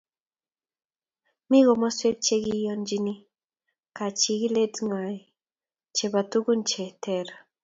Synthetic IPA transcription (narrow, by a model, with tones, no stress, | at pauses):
mi˦ɣɔ˨mɔ˦swe˦t̚t͡ʃe˦ɡi˦jɔ˦nd͡ʒi˦ni˦ | ka˨t͡ʃi˨ɣi˦le˦dŋa˨j | t͡ʃe˨ba˨tu˦ɡu˦nt͡ʃe˨tʰɛ˦˨ɾ